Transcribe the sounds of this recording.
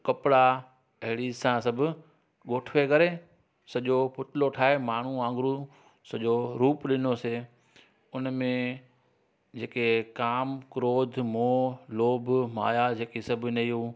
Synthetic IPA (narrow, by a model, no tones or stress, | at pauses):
kɐpɽa | ɐɦɪɽisãsɐbʱʊ | ɠoːʈʰʋekɐɾe | sɐʄopʊt̪ɪloʈʰaːɦemaːɳ̤uãːŋɡɾu | sɐʄoɾuːpɗɪnose | ʊnmẽ | d͡ʑeːkekaːmkɾoːd̪ʱmoːloːbʱma̰ːjad͡ʑeːkesɐbʱnɐiɦuː